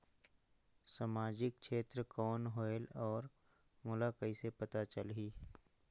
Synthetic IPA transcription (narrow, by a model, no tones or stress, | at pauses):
samaːd͡ʒɪk̚t͡ʃʃeːt̪ɾəkɔːnɦoːɪlɔːɾ | mʊlakəisepɐt̪at͡ʃəlɦiː